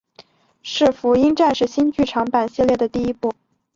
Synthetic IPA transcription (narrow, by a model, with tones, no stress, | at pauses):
ʂɻ̩˥˩fu˧˥i˥ŋʈ͡ʂa˥˧nʂɻ̩˥˩ɕi˥nt͡ɕy˥˩ʈ͡ʂʰɑ˧˥ŋpa˨˩nɕi˥˧ljɛ˥˩d̪ə˩t̪i˥˩i˥pu˥˩